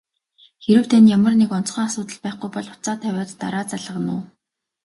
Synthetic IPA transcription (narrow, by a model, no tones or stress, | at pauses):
xeɾɘ̆w̥t̪ʰænjamə̆rnekɔn̥t͡sχœːŋasʊːt̪ə̆ɮpæːχɡujpɔɮʊ̥t͡saːt̪ʰːæwʲaːt̪ːa̰ɾaːt͡saɮə̆ʁə̆nʊː